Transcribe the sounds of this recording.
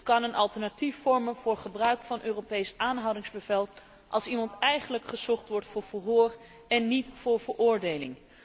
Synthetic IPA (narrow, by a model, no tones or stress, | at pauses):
kɑnənʔɑlˠtɛɹnatifːɔɹmənv̥ʊːɹχəbrœɥkfɑnʔøːropejsʔaːnɦɑwdɪŋzbəvɛlˠ | ʔɑlˠsimɑntɛjχənləkχəzɔχtʋɔɹtfʊːɹvəlɦʊːr | ɛnːitfʊːɹvəɹʔʊːɹdejlɪ̰ŋ